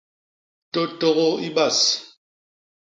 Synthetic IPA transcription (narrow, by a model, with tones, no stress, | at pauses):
to˦tɔ˦ɣɔ˦i˦ba˦˨s